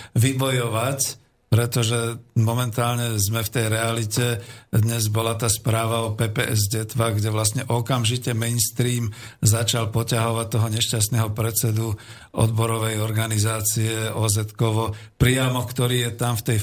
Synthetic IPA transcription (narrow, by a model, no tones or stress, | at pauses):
ʋibɔjɔʋac | pɾɛt̪ɔʒɛmɔmɛnt̪aːlɲɛzmɛft̪ɛjɾɛalicɛd̪ɲɛzbɔlat̪aːspɾaːʋaɔpɛːpɛ̰ʔɛzɟɛt̪ʋaɡɟɛʋlast̪ɲɛʔɔkamʒicɛmɛnst̪ɾiːmzat͡ʃalpɔcaɦɔʋat̚t̪ɔɦɔɲɛʃcas̬t̪nɛɦɔpɾɛt͡sɛd̪u | ʔɔ̰d̪bɔɾɔʋɛjɔɾɡanizaːt͡siɛɔzɛt̪kɔʋɔpɾijamɔkt̪ɔɾiːjɛt̪amft̪ɛj